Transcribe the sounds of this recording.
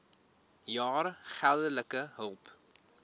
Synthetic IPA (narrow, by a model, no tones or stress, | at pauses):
jɑːɾχælˠdələkəɦəlˠp